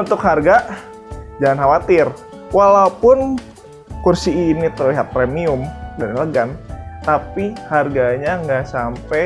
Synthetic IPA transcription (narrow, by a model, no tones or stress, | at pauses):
unt̪ʊkharɡa | d͡ʒalanɦawat̪ɪr | walaupʊn | kursiːnit̪ərliɦat̪̚pɾemiʊmdaɾiləɡant̪apiharɡaɲaŋɡaʔsampɛ